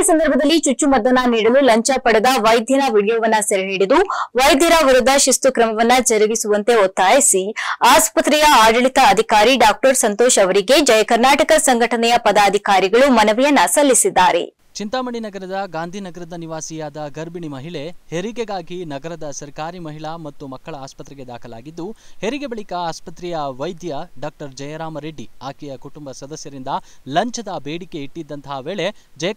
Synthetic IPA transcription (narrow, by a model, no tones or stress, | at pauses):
sɐnd̪ɐɾbʱɐd̪ɐlːit͡ʃut͡ʃːumɐd̪ɐnaniːɽɐlulɐɲt͡ʃɐpɐɽed̪ɐʋɐjd̪ʱjɐnɐʋiɽjɐʋɐnːɐsɐɾeɦeːɽid̪uʋɐjd̪ʱjɐɾɐʋiɾud̪ːɐʃist̪ukɾɐmɐʋɐnːɐd͡ʒɐɾiʋisuʋɐnt̪e̞ot̪ːaːjisiaːspɐt̪ɾɛjɐaːɖɐɭit̪ɐːd̪ʱikaːɾiɖaːk̚ʈɐɾsɐnt̪oːʃɐʋɐɾiɡe̞d͡ʒɐjɐkɐɾnaːʈɐkɐsɐŋɡʱɐʈɐnɛjɐpɐd̪aːd̪ʱikaːɾiɡɐɭumɐnɐʋijɐnːɐsɐlːisid̪ːaːɾe̞̰ | t͡ʃint̪aːmɐɳinɐɡɐɾɐd̪ɐɡaːnd̪ʱinɐɡɐɾɐd̪ɐniʋaːsijaːd̪ɐɡɐɾbiɳimɐɦiɭe̞heɾiɡeɡaːɡinɐɡɐɾɐd̪ɐsɐɾkaːɾimɐɦiɭɐmɐt̪ːumɐkːɐɭɐaːspɐt̪ɾɛɡe̞d̪aːkʰɐla̰ːɡid̪ːuheɾiɡe̞bɐɭikɐaːspɐt̪ɾijɐʋɐjd̪jɐɖaːk̚ʈɐɾd͡ʒɐjɐɾaːmɐɾeɖːiaːkijɐkuʈumbɐsɐd̪ɐsjɐɾind̪ɐlɐɲt͡ʃɐd̪ɐbeːɽike̞iʈːid̪ːɐnt̪ʰɐɦʋeːɭe̞d͡ʒɐjɐ